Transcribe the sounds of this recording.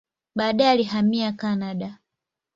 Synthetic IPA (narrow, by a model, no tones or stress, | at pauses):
ɓaːɗaɛalihamiakanaɗa